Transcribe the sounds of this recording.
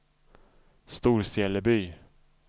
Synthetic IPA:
st̪uːɾsɛːləbyː

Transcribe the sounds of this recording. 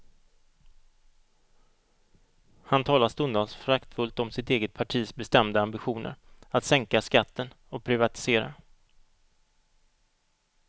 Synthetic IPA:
hant̪ʰɑːlast̪ɵnd̪ansfɾakt̪fɵlt̪ɔmsɪt̪eːɡət̪̚pʰaʈʰiːsbɛst̪ɛmd̪əambɪɧuːnə̰ɾat̪sɛŋkaskat̪ːən | ɔk̚pʰɾɪvat̪ɪ̥seːɾa̰

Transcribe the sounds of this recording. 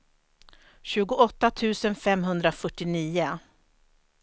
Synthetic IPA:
ɕʉ̟ːɡʊɔt̪ːat̪ʰʉ̟ːsənfɛmɦɵnd̪ɾafœʈːɪniːə

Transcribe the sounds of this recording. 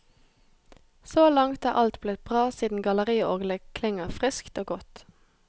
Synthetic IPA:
soːlɑŋt̪æːʁʔɑlt̪bleːb̥ʁɑːsiːd̪n̩ɡɑləʁiːəoːɡləkʰlɪŋəʁfʁɪskt̪oːɡɔt̪

